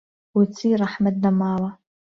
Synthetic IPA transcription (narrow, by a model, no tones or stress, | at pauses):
wat͡sʰiraħmadnamaːwa